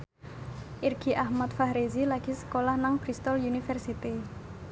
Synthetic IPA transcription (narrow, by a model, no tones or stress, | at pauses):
ʔirɡ̥iʔahmat̪̚fahɾezilaɡ̥i̤sə̥kolahnaŋbɾist̪ɔlunifɛrsit̪i